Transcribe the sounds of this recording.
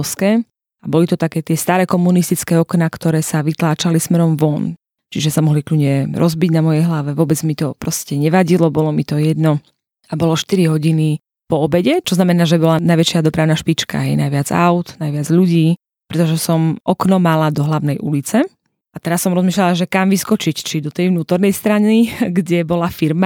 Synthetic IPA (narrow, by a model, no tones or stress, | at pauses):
skɛː | abɔlit̪ɔt̪akɛːt̪ɪɛst̪aːɾɛːkɔmunist̪it͡skɛːɔknakt̪ɔɾɛːsaʋit̪laːt͡ʃalismɛɾɔmʋɔn | t͡ʃiʒɛsamɔɦlikʎuɲɛɾʔɔzbiɟnamɔjɛjɦlaʋɛʋʊɔbɛd͡zmit̪ɔpɾɔscɛɲɛʋaɟilɔbɔlɔmit̪ɔjɛd̪nɔ | abɔlɔʃt̪iɾiɦɔɟini | pɔɔbɛɟɛt͡ʃɔznamɛnaːʒɛbɔlanajʋɛt͡ʃɪad̪ɔpɾaʊnaʃpit͡ʃka̰ɦɛjnajʋɪad͡za̰ʊt̪najʋɪad͡zʎuɟiː | pɾɛt̪ɔʒɛsɔmʔɔknɔmalad̪ɔɦlaʊnɛjʔṵlit͡sɛ | ʔat̪ɛɾasːɔmɾɔzmiːʃlalaʒɛkamʋiskɔt͡ʃict͡ʃid̪ɔt̪ɛjʋnuːt̪ɔɾnɛjst̪ɾaniɡɟɛbɔlafiɾma